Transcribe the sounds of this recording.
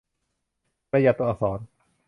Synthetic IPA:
ɾa˧˨ja˧˩t̪ːu˧ʔa˧sɔː˩˦n

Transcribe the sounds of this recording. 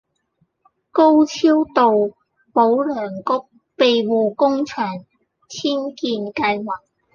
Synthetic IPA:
ko˥wt͡sʰiː˥wt̪o˨w | po˨˥wlœː˨˩ŋkʊ˥k̚ | pe˨jwuː˨kʊ˥ŋt͡ʃʰœː˨˩ŋ | t͡sʰiː˥nkiː˧nkɐ˧jwaː˨˩k̚

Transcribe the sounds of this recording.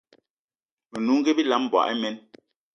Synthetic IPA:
me˨nu˨˦ŋ̩˦ɡe˦bi˦la˦m˨bwa̰˨ʔɛ˦mɛ˦n

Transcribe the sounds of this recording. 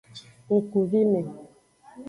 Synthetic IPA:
ŋ̩˨ku˨vi˦me˨

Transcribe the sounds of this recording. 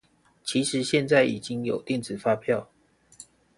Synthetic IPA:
t͡ɕʰi˨˦ʂɻ̩˨˦ɕjɛ˥˧nt͡sa˥˨ɪḭ˨˩t͡ɕi˦ŋjo˨˩ʊt̪jɛ˥˨nt͡sɹ̩˨˩fa˦pʰjɑ˥˨ʊ

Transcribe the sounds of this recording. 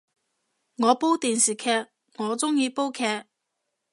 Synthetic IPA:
ŋɔː˨˧po˥wt̪iː˨nsiː˨˩kʰɛː˧˥k̚ | ŋɔː˨˧t͡sʊ˥ŋjiː˨˧po˥wkʰɛː˧k̚

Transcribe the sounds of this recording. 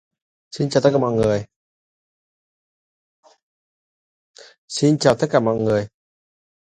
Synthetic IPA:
si˧nt͡ɕaː˨˩t̪ə˦˥kːaː˧˩mɔ̰˧˨jŋɨ˨˩əj | si˧nt͡ɕaː˨˩wt̪ə˦˥kaː˧˩mɔ̰˧˨jŋɨ˨˩əj

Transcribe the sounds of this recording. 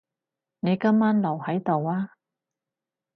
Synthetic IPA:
ne˨˧jkɐ˥mːaː˥nlɐ˨˩whɐ˨˥jt̪o˨waː˥

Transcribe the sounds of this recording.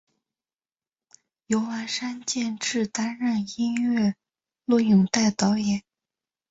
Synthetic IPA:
jo˧˥ʊwa˧˥nʂa˥nt͡ɕjɛ˥˧nʈ͡ʂɻ̩˥˩t̪a˥nɻa˥˩ni˥nɥɛ˥˧ | lwɔ˥˩jʊ˨˩ŋt̪a˥˩ɪt̪ɑ˧˥ʊjɛ˨˩˦n

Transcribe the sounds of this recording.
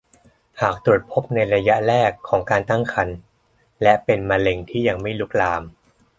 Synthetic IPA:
haː˨˩k̚t̪u˨˩ət̪̚pʰo˦˥p̚na˧jɾa˧ja˦˥ʔɾɛː˥˩kʰːɔː˩˦ŋkaː˧nt̪a˥˩ŋkʰa˧n | lɛ˦˥pe˧nma˧le˧ŋt̪ʰiː˥˩ja˧ŋma˥˩jlu˦˥k̚laː˧m

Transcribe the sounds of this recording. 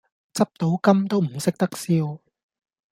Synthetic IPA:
t͡sɐ˥p̚t̪o˨˥wkɐ˥mt̪o˥wm̩˨˩sɪ˥k̚t̪ɐ˥k̚siː˧w

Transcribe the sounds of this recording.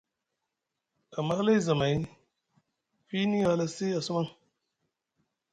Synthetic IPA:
a˨ma˦la˦jza˨ma˨i˦ | fi˦ni˦a˨la˨si˦a˨su˦ma˦ŋ

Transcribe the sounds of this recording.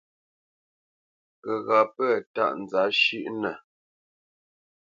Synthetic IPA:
kə˨ɣa˨pɛ˦˨ta̰˦ʔn̩˨d͡za˨˦ʃʉ˦ʔnə˨

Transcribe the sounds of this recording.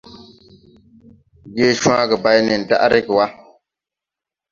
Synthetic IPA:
ɡeː˦ʃa˦ɡɨ˨ba˦jnɨ˨n̩˨da̰˦ʔa˦ɾɪ˦kɨ˨wa˦

